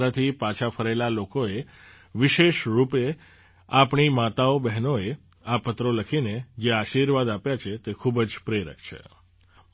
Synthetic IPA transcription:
ɾat̪ʰipat͡ʃʰafʰəɾelalokoe | ʋɪʃeʃɾupe | apɳimat̪aobɛɦnoe | apət̪ɾoləkʰined͡ʒeaʃiɾʋad̪apjat͡ʃʰet̪ekʰubd͡ʒpɾeɾə̰kʰt͡ʃʰḛ

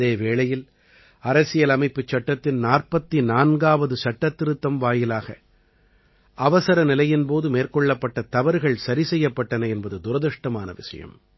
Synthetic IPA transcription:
eːʋeːɭɐjɪl | ɐɾɐsɪjɐlɐmɐɪpːɯt͡ʃːɐʈːɐt̪ːɪnnaːrpɐt̪ːinaːnɡaːʋɐðɯsɐʈːɐt̪ːɪɾɯt̪ːɐmʋaːjɪlaːɣɐ̰ | ʔɐʋɐsɐɾɐnɪlɐjɪnpoːðɯmeːrkɔɭːɐpːɐʈːɐt̪ɐʋɐɾɯɣɐɭsɐɾisɛjːɐpːɐʈːɐnɐɛnbɐðɯd̪ʊɾɐðɯʂʈːɐmaːnɐ̰ʋɪ̰ʂɐ̰jɐ̰m

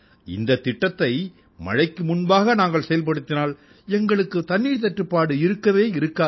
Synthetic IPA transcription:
ɪ̰nd̪ɐt̪ːɪʈːɐt̪ːɐɪ | mɐ̰ɻɐɪkːɯmʊnbaːɣɐnaːŋɡɐɭsɛjɐlp̬ɐɽɯt̪ːɪnaːl | ɛŋɡɐɭɯkːɯt̪ɐnːiːɻt̪ɐʈrɯpːaːɽɯɪɾɯkːɐʋeːɪɾɯkːaː

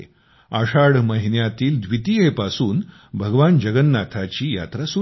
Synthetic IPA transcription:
aʂaɽməɦinjat̪iːld̪ʋit̪iɦepasuːn | bʱəɡʋand͡ʑəɡənːat̪ʰat͡ɕiːja̰t̪ɾasu

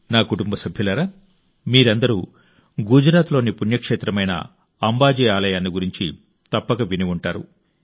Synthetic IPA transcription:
naːkuʈumbɐsɐbʱjulɐɾa | miːɾɐnd̪ɐɾṵ | ɡud͡ʒɾaːt̪lo̞ːnipunjɐkʂeːt̪ɾɐmɐjnɐ̰ | ɐmbaːd͡ʒiːaːlɐjaːnːiɡuɾiɲt͡ʃi | t̪ɐpːɐkɐʋiniʋuɳʈaːɾṵ

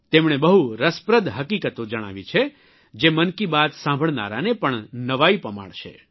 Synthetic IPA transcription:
t̪emɳ̃ebəɦuɾəspɾəd̪ɦəkikət̪od͡ʒəɽ̃a̰ʋit͡ʃʰe | d͡ʒemənkibad̪sãmbʱəɭna̰ɾanepəɳnəʋaipəma̰ɽʃḛ

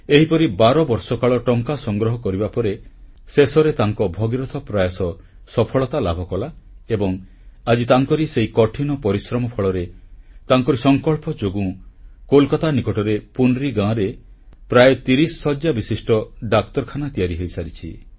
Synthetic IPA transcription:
eɦipɔɾibaɾɔbɔɾsɔkaɭɔʈɔŋkasɔŋɡɾɔɦɔkɔɾibapɔɾe | sesɔɾet̪aŋkɔbʱɔɡiɾɔt̪ʰɔpɾajasɔ | sɔpʰɔɭɔt̪alabʱɔkɔlaebɔŋ | ad͡ʒit̪aŋkɔɾiseikɔʈʰinɔpɔɾisɾɔmɔpʰɔɭɔɾet̪aŋkɔɾisɔŋkɔɭpɔd͡ʒoɡũkolkat̪anikɔʈɔɾepunɾiɡãɾe | pɾajet̪iɾisːɔd͡ʒabisisʈɔɖakt̪ɔɾkʰanat̪ijaɾiɦojsaɾit͡ʃʰi

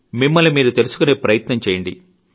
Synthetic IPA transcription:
mimːɐlimiːɾut̪e̞lusu̥kuneːpɾɐjɐt̪nɐɲt͡ʃɛːjɐɳɖḭ

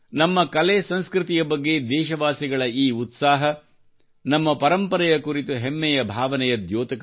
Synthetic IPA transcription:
nɐmːɐkɐleːsɐ̃nskɾɪt̪ijɐbɐɡːe̞d̪ɛːʃɐʋaːsiɡɐɭɐiːut̪saːɦɐ | nɐmːɐpɐɾɐmpɐɾɐjɐkuɾit̪uɦemːɛjɐbʱaːʋɐnɛjɐd̪joːt̪ɐk

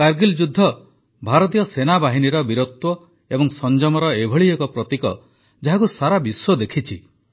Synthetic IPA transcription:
kaɾɡild͡ʒud̪ʱːɔ | bʱaɾɔt̪̬ijɔsenabaɦiniɾɔbiɾot̪wɔ | ebɔŋsɔnd͡ʒɔmɔɾɔebʱɔɭiekɔpɾɔt̪ikɔ | d͡ʒaɦakusaɾabiswɔd̪ekʰit͡ʃʰi

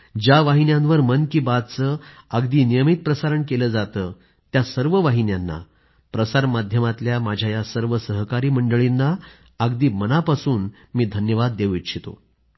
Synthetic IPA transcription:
d͡ʑjaʋaɦinjãnʋəɾmənkiːbad̪̚t͡səːəɡd̪iːnijəmit̪̚pɾəsaɾəɳkeləːd͡zat̪əː | t̪jasəɾʋəʋaɦinjanːa̰ | pɾəsaɾmad̪ʱjəmat̪ljamad͡ʑʱjajasəɾʋəsəɦkaɾiːməɳɖəɭinːaː | ɡd̪iːmənapasuːn | miːd̪ʱənjəʋad̪ːeʋit̪ɕʰit̪o̰

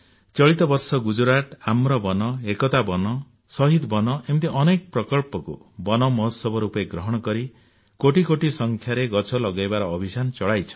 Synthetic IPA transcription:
t͡ʃɔɭit̪ɔbɔɾsɔɡud͡ʒuɾaʈamɾɔbɔnɔekɔt̪abɔnɔ | sɔɦid̪bɔnɔʔemt̪iʔɔnek̚pɾɔkɔlpɔkṵ | bɔnɔmɔɦɔsɔbɔɾupɔeɡɾɔɦɔɽ̃ɔkɔɾi | koʈikoʈisɔŋkʰjaɾeɡɔt͡ʃʰɔlɔɡajbaɾɔːbʱisant͡ʃɔɭajt͡ʃʰɔ̥

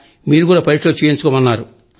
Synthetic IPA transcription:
miːɾukuːɽaːpɐɾiʈlɐt͡ʃejiɲt͡ʃukɔmɐnːaːɾu

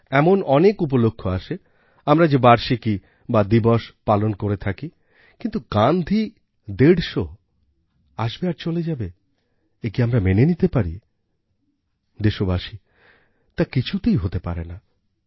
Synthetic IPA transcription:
ɛmonɔnekup̬olokʰːoaʃe | amɾad͡ʑebaɾʃiki | bad̪ibɔʃpalonkoɾet̪ʰaki | kint̪uɡand̪ʱi | d̪eɽʃo | aʃbeaɾt͡ɕoled͡ʑabe | ekiamɾamenenit̪epaɾḭ | d̪eʃobaʃi | t̪akit͡ɕʰut̪ejɦot̪epaɾḛna

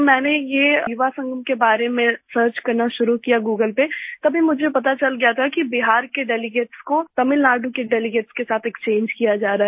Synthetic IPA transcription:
mɛ̃ːnejejʊʋasɐ̃ŋɡəmkebaːɾemẽsəːɾt͡ʃkɐɾnaʃʊɾukijaɡuːɡəlpet̪ɐbʱimʊd͡ʒʱepɐt̪at͡ʃɐlɡɐjat̪ʰakibɪɦaːɾkeɖɛːlɪɡeːʈskot̪ɐmɪlnaːɖukeɖɛːlɪɡeːʈskesaːt̪ʰekst͡ʃẽːɲd͡ʒkijad͡ʒaːɾaːɦɛ

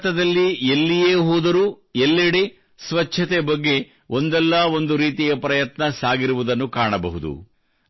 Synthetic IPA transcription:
t̪ɐd̪ɐlːielːijeːɦoːd̪ɐɾuː | elːeɽe | sʋɐt͡ʃʰɐt̪ɛbɐɡːe̞ | ond̪ɛlːɐo̞nd̪uɾiːt̪ijɐpɾɐjɐt̪nɐsaːɡiɾuʋud̪ɐnːukaːɳɐbɐ̰ɦud̪ṵ

